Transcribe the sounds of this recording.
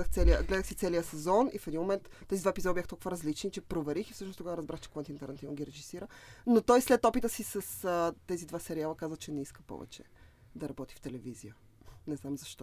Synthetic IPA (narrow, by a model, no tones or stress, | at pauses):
əxt̪sɛliəɡlɛd̪əxsit̪sɛlijəsɛzɔnifɛd̪inmomɛnt̪ːɛzid̪vaɛpizɔd̪əbjaxt̪ɔlˠkuvəɾɐzlit͡ʃnit͡ʃɛpɾovɛɾixifsɤʃnost̪oɡaɾɐzbɾaxt͡ʃɛ̥koɛnt̪int̪ɛɾnɛt̪ivnɡʲiɾɛʒisiɾənot̪ɔjslɛt̪ɔpit̪əsisəsət̪ɛzid̪vasɛɾialˠəkazvət͡ʃɛnɛiskə̥pɔ̰vɛ̰t͡ʃɛ̰ | d̪ɐɾɐbɔt̪i̥ft̪ɛlɛvizijə | nɛznamzɐʃt̪ɔ